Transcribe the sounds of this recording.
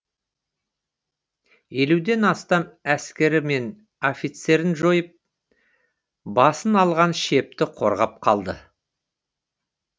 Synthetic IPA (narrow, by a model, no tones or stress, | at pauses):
je̞lud̪e̞nɑst̪ɑmæskʲe̞ɾɪme̞n | o̞fit̪se̞ɾɪnʒojəp̚ | bɑsənɑlˠʁɑnʃe̞p̚t̪ɪqʰo̞̰ɾʁɑp̚qʰɑlˠd̪ə